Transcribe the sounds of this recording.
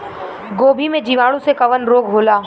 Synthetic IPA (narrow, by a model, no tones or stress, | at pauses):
ɡoːbʱimẽd͡ʒiʋaːɽũsekɐʋənɾoːɡɦoːlaː